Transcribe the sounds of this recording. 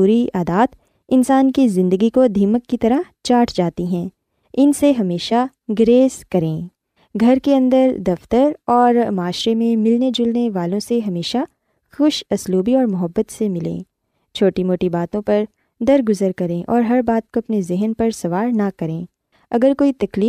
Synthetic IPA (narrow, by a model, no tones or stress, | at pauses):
uːɾiaːd̪aːt̪ | ɪnsaːnkizɪ̃nd̪əɡikod̪ʱiːməkːit̪ɐɾəɦt͡ʃaːʈʰd͡ʒaːt̪iɦɛ̃ː | ɪnseɦɐmeːʃa | ɡɾeːskɐɾẽː | ɡʱɐɾkeɐ̃nd̪əɾd̪ɐft̪əɾɔːɾmaːʃɾemẽmɪlned͡ʒʊlneʋaːlõseɦɐmeːʃa | xʊʃɐsluːbiɔːɾmʊɦəbːət̪semɪlḛ̃ː | t͡ʃʰoːʈimoːʈibaːt̪õpɐɾ | d̪ɐɾɡʊzəɾkɐɾẽʔɔ̰ːɾɦɐɾbaːt̪̚koɐpnezɪɦənpɐɾsɐʋaːɾnakɐɾẽː | ɐɡəɾkoːit̪ɐkliː